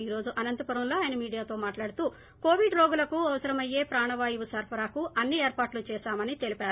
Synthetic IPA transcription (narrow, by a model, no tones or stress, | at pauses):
iːɾo̞ːd͡ʒuʔɐnɐnt̪ɐpɐɾɐwlo̞ːaːjɐnɐmiːɽijaːt̪o̞ːmaːʈlaːɽut̪uː | ko̞ːʋiɖɾoːɡulɐkuɐʋɐsɐɾɐmɐjːe̞ːpɾaːɳɐʋaːjuʋusɐɾpʰɐɾaːkuʔɐnːieːɾpaːʈlut͡ʃɛːʃaːmɐnit̪e̞lipaːɾu